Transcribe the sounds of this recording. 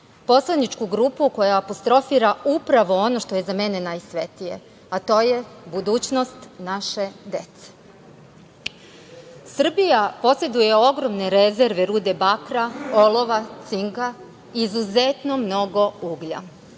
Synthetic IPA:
po̞slanit͡ʃkuɡɾupuko̞jaːpo̞st̪ɾo̞fiːɾaupɾaʋo̞o̞no̞ʃt̪o̞je̞zame̞ne̞najsʋe̞t̪ije̞̰ | at̪o̞ːje̞bud̪uːt͡ɕno̞st̪naʃe̞d̪e̞t̪se̥ | sr̩bijapo̞se̞d̪uje̞o̞ɡɾo̞mne̞ɾe̞ze̞ɾʋe̞ɾuːd̪e̞bakɾao̞lo̞ʋat̪siŋɡa | izuzet̪no̞mno̞ɡo̞uɡʎa̰

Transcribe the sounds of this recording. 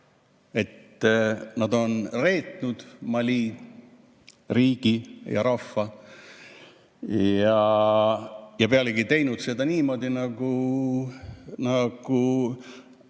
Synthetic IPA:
e̞t̪ː | nɑd̪̥o̞nre̞ːt̪nud̪̥mɑlʲiː | riːɡ̥ijɑ̰ɾɑfːɑ | jɑ | jɑpeɑleɡit̪e̞jnud̪se̞d̪ɑniːmo̞ːd̪̥ʲinɑɡ̥u | nɑɡ̥u

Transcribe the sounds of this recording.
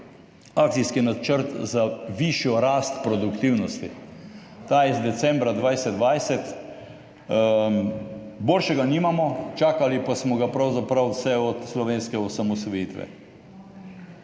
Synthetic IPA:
ak̪̚siskinat͡ʃəɾt̪zaʋiʃjɔɾaːst̪pɾɔd̪ukt̪iwnɔst̪ḭ | t̪aːjɛzd̪ɛt̪sɛ̃mbɾad̪ʋajsɛd̪d̪ʋajsɛt̪ | boːlʃɛɡaniːmamɔt͡ʃaːkalipasmɔɡapɾawzapɾawsɛɔt̪slɔʋeːnskɛɔsamɔsɔjiːt̪ʋɛ̰

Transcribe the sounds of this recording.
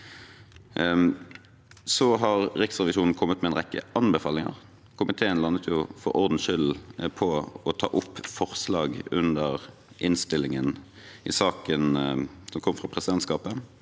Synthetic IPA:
sɔɦɑʁʁɪksʁɛʋɪʃuːnn̩kʰɔmːət̪mɛːnʁɛkːə̰ʔɑnbəfɑːlɪŋɑ̰ʁ | kʰʊmɪt̪ʰeːənlɑnːət̪ʰjʊfɔ̰ɾɔʁd̪n̩ʃʏlpʰɔɔt̪ʰɑ̰ːʔʊpːfɔʁslɑːɡʉnd̪əʁ | ʔɪnst̪ɪlːɪŋən | ɪsɑːkənsɔmkʰɔmːəfʁɑpʰʁɛsɪd̪ɛnt̪skɑːpə

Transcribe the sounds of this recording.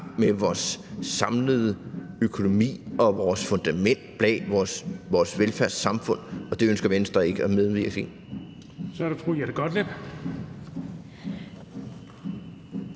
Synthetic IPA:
meʋɒːsːɑ̈mləð̞̩ˠəøkʰo̝no̝mḭːɒ̽ʋɒːsfɔ̽nd̥æmen̰d̥̚b̥lɛ̰ɒsʋɒːsʋelfæɐsɑ̈mfɔ̽n̰ɒ̽d̥e̝ønsɡ̥ɐmensd̥ʁɐe̝ɡ̥əæmeð̞ˠʋiɐɡ̥e̝n | sɒæɾefʰʁo̰jæɾ̥eɡ̥ɒd̥leb̥

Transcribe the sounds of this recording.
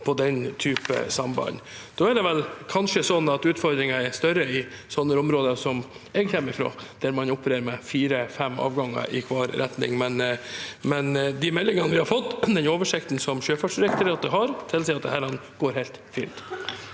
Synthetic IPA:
pʰɔd̪ɛnt̪ʰyːpə̰sɑmbɑ̰nd̪̥oːɛɖ̪ɛʋɛlkʰɑnʂəsɔnːɑt̪ʉːt̪fɔɾd̪ɾɪŋɑɛɾst̪œɾəɪsɔnːəɾʊmɾoːd̪əsɔm | ɛɡçɛːmːəɾɪfɾo̰ːd̪̥æɾmɑnʊpːəɾeːɾəmɛfiːɾəfɛmːɑ̰ːʋɡɑŋːə̰ʔɪkʰʋɑːɾɾɛt̪nɪ̰ŋmɛnmɛnd̪ɪmɛlːɪŋɑnəʋɪhɑɾfɔt̪ːd̪ɛnoːʋəʂɪkt̪n̩sɔmʃøːfɑʂd̪ɪɾɛk̚t̪əɾəɑt̪̚d̪əɦɑɾt̪ʰɪlːsɛɪɑt̪d̪ɛhæːɾɑnːɡ̥oːɾhɛɪt̪fḭːlt̪

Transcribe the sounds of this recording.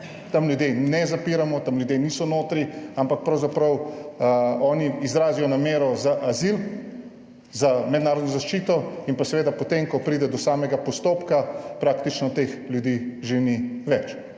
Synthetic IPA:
t̪amljud̪jenɛzapiːɾamɔt̪amlʲjud̪jeniːsɔnoːt̪ɾiampak̚pɾɐwzapɾɐw | ɔːniizɾaːzijɔnameːɾɔzaʔazil | zamɛd̪naːɾɔd̪nɔzaʃt͡ʃiːt̪ɔinpasɛʋeːd̪apɔt̪emkɔpɾiːd̪ɛd̪ɔsaːmɛɡapɔst̪oːpkapɾaːkt̪it͡ʃnɔt̪exljud̪iʒeniʋɛt͡ʃ

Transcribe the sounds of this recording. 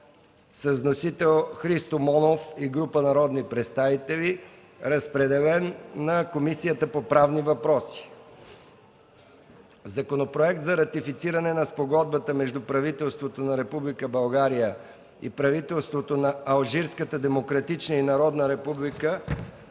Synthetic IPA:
səznosit̪ɛlˠxɾist̪omɔnofiɡɾupənɐɾɔd̪nipɾɛt̪st̪avit̪ɛli | ɾɐspɾɛd̪ɛlɛnːɐkomisijət̪əpopɾavnivɐpɾɔsi̥ | zɐkonopɾoɛk̚t̪zɐɾɐt̪ifit̪siɾɐnɛnɐspoɡɔd̪̚bət̪əmɛʒd̪upɾɐvit̪ɛlˠst̪vot̪onɐɾɛpublikəbɐlˠɡaɾijə | ḭpɾɐvit̪ɛlˠst̪vot̪onɐɐlˠʒiɾskət̪əd̪ɛmokɾɐt̪it͡ʃnəinɐɾɔd̪nəɾɛpublikə

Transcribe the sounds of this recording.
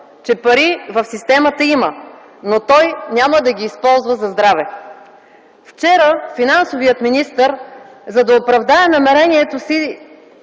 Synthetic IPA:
t͡ʃɛpɐɾivəfsist̪ɛmət̪əimə | not̪ɔjnʲaməd̪ɐɡʲiːspɔlˠzvəzɐzd̪ɾavɛ | ft͡ʃɛɾəfinansovijət̪minist̪əɾ | zɐd̪ɐopɾɐvd̪aɛnɐmɛɾɛnʲiɛt̪osi

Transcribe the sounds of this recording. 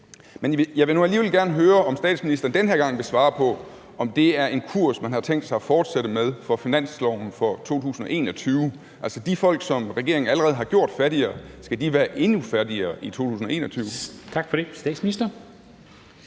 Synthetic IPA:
menjɑ̈ɪʋe̝nuæliːʋelɡ̥æɐnəɦøːɐɒ̽msd̥ɛ̰ːd̥sminisd̥ɐːn̩d̥enɦeɐɡ̥ɑ̈ŋ̰ʋe̝sʋɑ̈ːpʰɒ̽ | ʔɒ̽md̥e̝æɐe̝nkʰuɐ̰smænhɑ̈t͡sʰeŋ̰d̥sɑ̈ɪfɒːd̥seɾəmeð̞ˠfɒ̽finæn̰slɒʊ̰n̩fɒ̽t͡sʰo̝̰ːt͡sʰṵːsn̩ɒ̽ʔe̝̰ːnɒ̽t͡sʰyːʊ | ælsəd̥ifɒ̽l̰ɡ̥sɒ̽mʁɛɡ̥e̝ɐ̰e̝ŋn̩æləʁɛːð̞̩ˠɦɑ̈ɡ̥jo̝ɐ̰d̥fæɐɾiɐːsɡ̥æd̥iʋæːɐʔe̝nufæɐd̥iɐːit͡sʰo̝̰ːt͡sʰṵːs̬n̩ɒe̝ːnɒt͡sʰyːʊt͡sʰɑ̈ɡ̥fɒɾesd̥ɛ̰d̥sminisd̥ɐ

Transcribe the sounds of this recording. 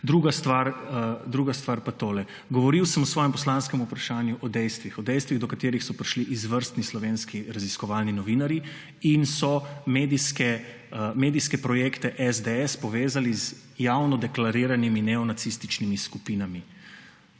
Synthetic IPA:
d̪ɾuɡast̪ʋaɾəd̪ɾuːɡast̪ʋaɾpat̪oːlɛ | ɡɔʋɔɾiwsəmɔsʋɔːjɛmpɔslanskɛmupɾaʃaːnjuʔɔd̪ɛjst̪ʋixɔd̪ɛjst̪ʋiɣd̪ɔkat̪eːɾixsɔpɾiʃliʔizʋəɾst̪nislɔʋeːnskiɾaziskɔʋaːlninɔʋinaɾji | insɔmeːd̪iskɛ | meːd̪iskɛpɾɔjeːkt̪ɛʔɛzd̪eɛspɔʋeːzaliz | jawnɔd̪ɛklaɾiɾaniminɛɔnat̪sist̪it͡ʃnimiskupiːnami

